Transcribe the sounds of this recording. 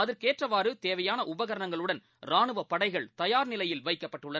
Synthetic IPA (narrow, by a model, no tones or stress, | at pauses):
ɐðɪɾkeːʈrɐʋaːɾɯt̪eːʋɐjaːnɐʔʊbɐɣɐɾɐɳɐŋɡɐɭɯɽɐn | ɾaːɳɯʋɐpːɐɽɐɪɣɐɭt̪ɐjaːɾnɪlɐjɪlʋɐɪkːɐpːɐʈːɯɭːɐn